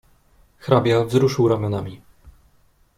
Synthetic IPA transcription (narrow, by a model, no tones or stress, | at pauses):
xɾabʲjavzɾuʂɘwɾamʲjɔnamʲi